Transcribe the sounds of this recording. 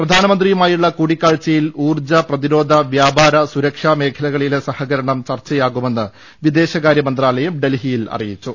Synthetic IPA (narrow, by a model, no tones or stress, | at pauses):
prɐd̪ʱaːnɐmɐnd̪rijumaːjuɭːɐkuːɽikʲːaːɭt͡ɕːɐjiluːrd͡ʑɐprɐðiɾo̞ːd̪ʱɐʋjaːbaːɾɐsuɾɐkʂame̞ːkʰɐlɐɣɐɭile̞sɐhɐɣɐɾɐɳɐmt͡ɕɐrt͡ɕːɐjaːɣume̞nːɨ | ʋid̪e̞ːɕɐɣaːɾjɐmɐnd̪raːlɐjumɖe̞lɦijilɐ̰rijit͡ɕːu